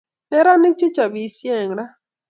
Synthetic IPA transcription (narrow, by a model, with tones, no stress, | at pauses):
nɛ˦ɾa˦nɪ˦k̚t͡ʃi˦t͡ʃa˨bi˨sjɛ˦˨ŋɾa˦